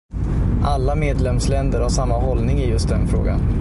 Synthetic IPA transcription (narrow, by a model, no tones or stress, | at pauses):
ʔalːameːd̪lɛmslɛnd̪əɾhaʂamːaɦɔlnɪŋɪjɵst̪̚d̪ɛnfɾo̰ːɡa̰n